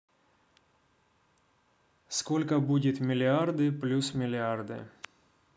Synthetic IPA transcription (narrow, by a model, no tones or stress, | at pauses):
skolʲkəbudʲɪt̪mʲɪlʲɪard̪ɨplʲusmʲɪlʲɪard̪ɨ̰